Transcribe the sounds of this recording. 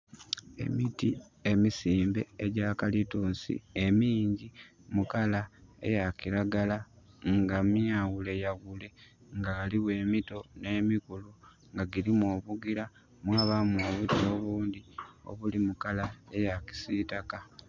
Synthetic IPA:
e̞̰miti | e̞misiːmbe̞̰eɟakalituːnsḭe̞miːɲɟimukalae̞̰jaciɾaɡalaŋɡamjawule̞jaɣule̞ŋɡaːliwe̞ːmito̞ne̞ːmikulu | ŋɡaɡiɾimo̞ːβuɡiɾa | mwaːβamuoːβutio̞βuːnd̪io̞̰βulimukalae̞jaki̥sitaka

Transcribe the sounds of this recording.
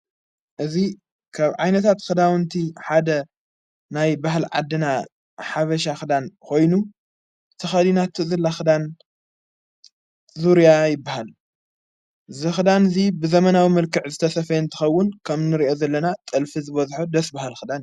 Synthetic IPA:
ʔɨzi | kʰaβʕajnɐt̪ʰat̪xɨd̪awɨnt̪ʰiħad̪ɐ | najbaɦlʕa̰d̪ːɨna | ħaβɐʃ̬axɨd̪ankʰo̞jnu | t̪ʰɐxɐd̪inat̪ʰːɨzɨlːaxɨd̪an | zuɾjajɪbːahal | zɨxɨd̪anzibɨzɐmɐnawimɐlkʰɨʕzɨt̪ʰɐsɐfɐjɨnt̪ʰɨ̥xɐwːʊnkʰɐmnɨɾiʔo̞zɐlːɐnat̪ʼɨlfizɨβɐzħod̪ɐsbahɨlxɨd̪an

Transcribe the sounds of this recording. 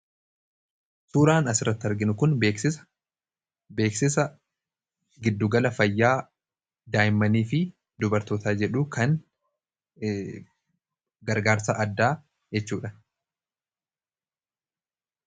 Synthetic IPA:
suːɾaːnɐsɪrːɐt̪ːɐɾɡɪnʊkʊnbeːksɪ̥ | be̞ːksɪsɐ | ɡɪd̪ːʊɡɐlɐfɐjːaː | d̪aːjɪmːɐniːfɪ | d̪ʊbɐɾt̪oːt̪aːd͡ʒɛᶑuːkʰɐn | ɡɐɾɡaːɾsaʔɐd̪ːaː | d͡ʒɛt͡ʃːuːᶑɐ

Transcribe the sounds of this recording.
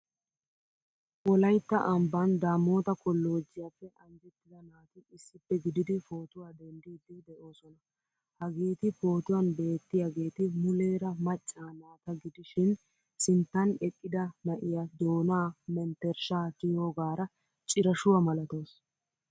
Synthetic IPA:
wɔlɐjt̪ːɐʔɐmbɐnd̪aːmo̞ːt̪ɐkɔlːo̞ːd͡ʒːɪjapːɛɐŋɡɛt̪ːɪd̪ɐnaːt̪ɪɪsːɪpːɛɡɪd̪ɪd̪ɪfo̞ːt̪ʊwaːd̪ɛnd̪iːd̪ɪd̪ɛʔo̞ːsɔnɐ | hɐɡiːt̪ɪfo̞ːt̪ʊwɐnbe̞ːt̪ːɪjaɡe̞ːt̪ɪmʊleːɾɐmɐt͡ʃʼːaːnaːt̪ɐɡɪd̪ɪʃɪn | sɪnt̪ːɐnɛkʼːɪd̪ɐnɐʔɪjad̪o̞ːnaːmɛnt̪ːɛɾʃaːt̪ɪjoːɡaːɾɐ | t͡ʃʼɪɾɐʃʊwɐmɐlɐt̪o̞ːs

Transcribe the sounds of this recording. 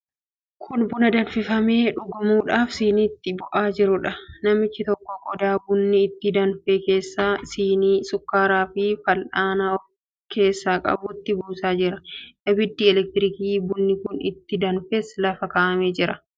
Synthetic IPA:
kʰʊnbʊnɐd̪ɐnfɪfɐme̞ːᶑʊɡɐmuːᶑaːfsiːniːt̪ːɪbʊʔaːd͡ʒɪɾʊᶑɐnɐmɪt͡ʃːɪt̪ɔkːɔɡʼɔd̪aːbʊnːɪːt̪ːɪd̪ɐnfeːke̞ːsːaːsiːniːsʊkːaːɾaːfɪfɐlʔaːnaɔ | kʰe̞ːsːaːkʼɐ̰bʊt̪ːɪbuːsaːd͡ʒɪɾɐʔɐbɪd̪ːiːɛlɛk̚t̪ɪɾɪkiːbʊnːɪkʊnɪ̰t̪ːɪd̪ɐnfeːslɐfɐkaːʔɐmeːd͡ʒɪɾɐ

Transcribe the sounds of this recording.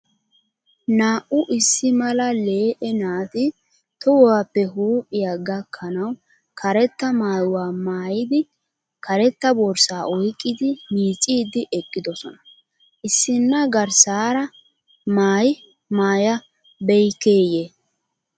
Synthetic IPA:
naːʔʊʔɪsːɪmɐlɐle̞ːʔɛnaːt̪ɪ | t̪ɔwɔwaːpːɛɦuːpʼːɪjaɡɐkʰːɐnɐw | kʰɐɾɛt̪ːɐmaːjwaːmaːjɪd̪ɪ | kɐɾɛt̪ːɐbɔɾsaːʔɔjkʼːɪd̪ɪmiːt͡sʼiːd̪ɪʔɛkʼːɪd̪ɔsɔnɐ | ʔɪsːɪnːɐɡɐɾsaːɾɐ | maːj | maːjɐ | bɛjkeːjeː

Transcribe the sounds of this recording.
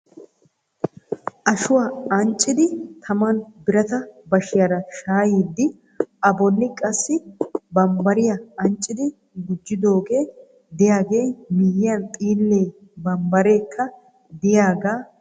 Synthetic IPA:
ʔɐʃʊwaɐnt͡ʃʼːɪd̪ɪt̪ʰɐmɐnbɪɾɐt̪ɐbɐʃɪjɐɾɐʃaːjiːd̪ːɪ | ʔɐbɔnːɪkʼɐsːɪbɐmbɐɾɪjɐɐnt͡ʃʼːɪd̪ɪ | ɡʊd͡ʒːɪd̪o̞ːɡe̞ː | d̪ɪjaːɡeːmɪjɪjɐnt̪ʼiːlːe̞ː | bɐmbɐɾe̞ːkʰːɐ | d̪ɪjaːɡaː

